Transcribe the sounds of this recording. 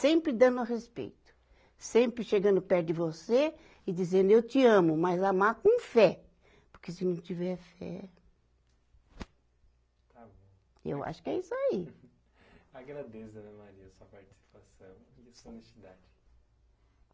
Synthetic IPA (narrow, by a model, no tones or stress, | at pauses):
sẽmpɾɪd̪ɐ̃nd̪ʊɐɦespḛjt̪ʊ̥ | sẽmpɾɪʃeɡɐ̃nd̪ʊpɛɾdɪvose | ɪd͡ʒizẽnd̪ʊewt͡ʃɪɐ̃mʊmɐzamakõfɛ | poɾkesɪnɐ̃w̃t͡ʃivɛɾfɛ̰ | t̪abõ | ḛwa̰ʃʊ̥kɪɛisʊai | aɡɾad̪esɐnɛ̃maɾiɐsuɐpaɾt͡ʃi̥si̥pasɐ̃w̃snest͡ʃid̪ad͡ʒɪ